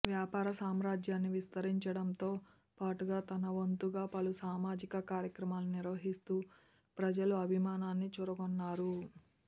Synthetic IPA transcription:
ʋjaːpaːɾɐsaːmɾaːd͡ʒjaːnːiʋist̪ɐɾiɲt͡ʃɐɽɐnt̪oː | paːʈuɡaːt̪ɐnɐʋont̪uɡaːpɐlusaːmaːd͡ʒikɐkaːɾjɐkɾɐmaːliniɾʋɐɦist̪uː | pɾɐd͡ʒɐluɐbʱimaːnaːnːit͡ʃuːɾɐkonːaːɾu

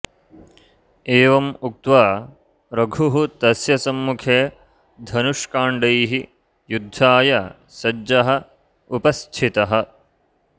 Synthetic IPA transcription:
eːʋɐmuk̚t̪ʋaː | ɾɐɡʱuɦut̪ɐsjɐsɐmːukʰeː | d̪ʱɐnuʂkaːɳɖɐjɦi | jud̪ʱːaːjɐ | sɐd͡ʒɐɦɐ̆ | upɐst͡ʃʰit̪ɐɦɐ̆

